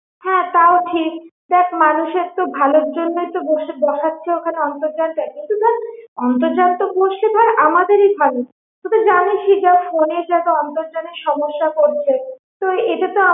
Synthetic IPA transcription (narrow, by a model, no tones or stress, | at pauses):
hɛ̃t̪aoʈʰikd̪ɛkʰmanuʃeɾt̪obʱaloɾd͡ʑonːojt̪oboʃebɔʃatːʰeokʰaneɔnt̪oɾd͡ʑat̪akint̪ut̪aɾɔnt̪oɾd͡ʑat̪ːok̚boʃet̪aɾamad̪eɾibʱalo | t̪ot̪ed͡ʑameʃid͡ʑafoned͡ʑɛt̪oɔnt̪oɾd͡ʑat̪iʃɔmoʃːakoɾt͡ɕʰe | t̪oeʈet̪oa